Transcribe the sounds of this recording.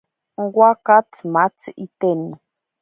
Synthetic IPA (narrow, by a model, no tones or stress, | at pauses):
ŋ̩ɡwʷakatmat͡sit̪eni